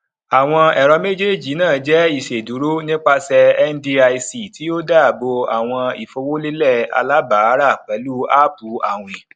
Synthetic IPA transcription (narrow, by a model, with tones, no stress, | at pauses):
a˨w̃ɔ̃˧ɛ˨ɾɔ˧me˦d͡ʒi˦e˦˨d͡ʒi˨˦nãː˦˨˦d͡ʒɛ˦i˦˨ʃe˨du˨˦ɾo˦nĩ˦k͡pa˧sɛ˧ɛ˦n˦di˧˦a˧i˧si˨ti˨˦o˦daː˦˨bo˧a˨w̃ɔ̃˧i˨fo˧wo˦le˦lɛ˦˨a̰˧la˦ba˨˦ɾa˦˨k͡pɛ˨˦lu˦a˦˨pu˨˦a˦˨w̃ĩ˨